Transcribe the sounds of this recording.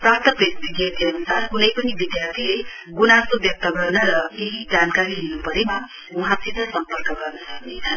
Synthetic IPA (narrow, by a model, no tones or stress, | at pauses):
prak̚t̪ʰʌpɾes̚t̪iɡʱet̪iʌnusarkunʌjpʌnibid̪jart̪ʰile | ɡunasobjʌk̚t̪ʌɡʌrnʌɾʌeɦid͡zankaɾiɦinupʌɾema | uɦãt̪ʰit̪ʌsʌmpʌrkʌɡʌrnʌsʌnea